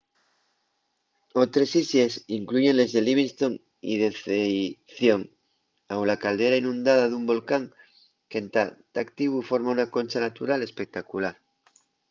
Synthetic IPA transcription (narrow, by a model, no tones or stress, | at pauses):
ot̪ɾe̞sisesiŋkluʝe̞nle̞zðe̞liβiŋst̪o̞ŋ | ḭðeθejθjoŋ | awlakald̪e̞ɾainũnd̪aðaðumbo̞lkaŋ | ke̞nt̪at̪akt̪iβ̞ufo̞ɾmaunako̞nʲt͡ʃanat̪uɾale̞spe̞k̚t̪akulaɾ